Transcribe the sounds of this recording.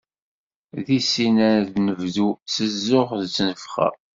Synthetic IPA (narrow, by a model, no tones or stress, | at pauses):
ðisinæɾðnəvðusəzːʊʁðt͡sːnəfχæ̰